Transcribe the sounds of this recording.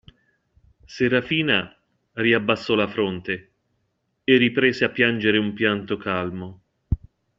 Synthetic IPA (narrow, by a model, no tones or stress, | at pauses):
seɾafiːna | riabːasːɔlafɾont̪e | erːipɾeːzeapːjand͡ʒeɾeumpjant̪okalmo